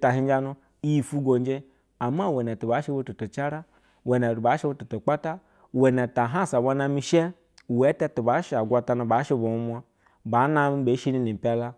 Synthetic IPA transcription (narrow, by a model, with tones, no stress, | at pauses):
ta˨ɦi˦d͡ʒa˦nu˦ | i˦ji˨fu˦ɡo˨nd͡ʒe˦ | a˨ma˦˨we˨ne˨tu˨ba˨˦ʃe˦bo˧˦tu˨to˨t͡ʃa˦ɾa˦ | we˨ne˨ɾu˨ba˨˦ʃe˦bo˦tu˨to˨k͡pa˦ta˦ | we˨ne˨ta˨ɦa˦˨sa˨bʷa˧na˧mi˧ʃe˦ | we˨˦te˦tu˨ba˨˦ʃa˨ɡʷa˧ta˧nu˧ba˨˦ʃe˧bo˨u˦mʷ˦a˦ | ba˨˦na˦m˦be˨˦ʃi˦ni˦ni˨pʲa˦la˦